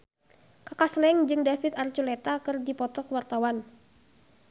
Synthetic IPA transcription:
kakaslɛŋd͡ʒɨŋdafit̪art͡ʃulɛt̪akɨrdipɔt̪ɔkwart̪awan

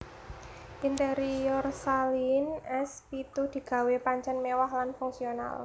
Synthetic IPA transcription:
ʔint̪eɾiɔrsalinɛspit̪ud̪̥i̤ɡ̥a̤wepaɲt͡ʃɛnmewahlanfuŋsiona̰l

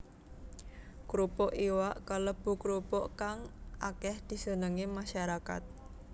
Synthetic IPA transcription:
kɾupɔʔiwaʔkalɔb̥ṳkɾupɔʔkaŋʔakɛhd̪̥i̤sənəŋimaʃaɾaka̰t̪̚

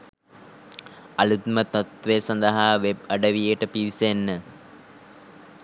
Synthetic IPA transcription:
ɐlut̪mət̪ɐt̪ʋesɐnd̪əɦaːʋeb̚ɐɖəʋijəʈəpiʋisenːə

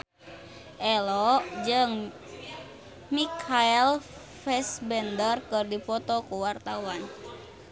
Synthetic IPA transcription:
ʔɛlɔd͡ʒəŋ | mikʰaɛl | fɛsbɛndərkɨrdipɔt̪ɔkuwart̪awan

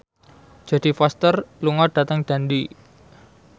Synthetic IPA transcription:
d̥ʒ̥ä̤d̥i̤fast̪ərluŋɔɖ̥a̤t̪əŋɖ̥a̤ndi

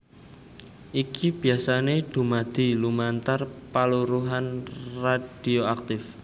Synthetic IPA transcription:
ʔikib̥i̤asaneɖ̪̥o̤mad̪̥i̤lumant̪arpaluɾuɦanrad̥ioak̚t̪ɪf

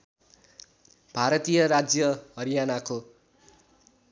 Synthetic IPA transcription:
b̥ʱaɾʌt̪ijʌɾad͡zjʌɦʌɾijanako

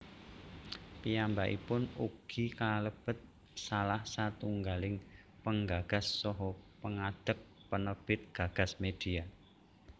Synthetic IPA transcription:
pijambaʔḭpʊnuɡ̥ikaləb̥ət̪̚ | salahsat̪uŋɡalɪŋ | pəŋɡaɡ̥a̤sːɔɦɔpəŋad̪̥əp̚ | pənəb̥ɪt̪̚ɡ̥a̤ɡ̥a̤smed̪̥ia

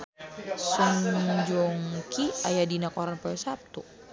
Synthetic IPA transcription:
suɲd͡ʒɔŋkiajadinakɔɾanpɔɛsap̚t̪u

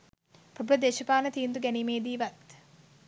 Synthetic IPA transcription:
pɾɐbuɾɐd̪eːʃɐpaːnɐt̪iːnd̪uɡænimeːd̪iːʋat̪

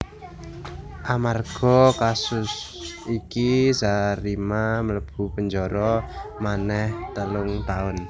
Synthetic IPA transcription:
ʔamarɡ̥ɔkasʊs | ikizaɾimamələb̥ṳpəɲd͡ʒɔɾɔmanɛht̪əlʊŋt̪aʊn

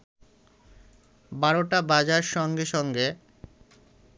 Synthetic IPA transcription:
baɾoʈabad͡ʑaɾʃɔŋɡeʃɔŋɡe

